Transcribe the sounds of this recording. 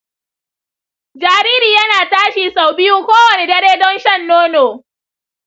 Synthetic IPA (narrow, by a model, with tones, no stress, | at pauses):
d͡ʒaː˨ɾiː˦ɾiː˨jɐ˦naː˨taː˦ʃiː˨sa˨wbɪ˦juː˦kʷoː˦wɐ˨ne˨dɐ˦ɽeː˦dɔ˦nʃɐ˦˨nːoː˦noː˨